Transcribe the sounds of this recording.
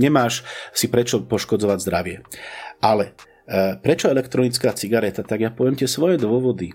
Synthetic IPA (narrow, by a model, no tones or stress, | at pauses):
ɲɛmaːʃsipɾɛt͡ʃɔpɔʃkɔd͡zɔʋaɟzd̪ɾaʋɪɛalɛ | pɾɛt͡ʃɔɛlɛkt̪ɾɔnit͡skaːt͡siɡaɾɛt̪at̪aɡjapɔʋɪɛmt̪ɪɛsʋɔjɛd̪ʊɔʋɔd̪i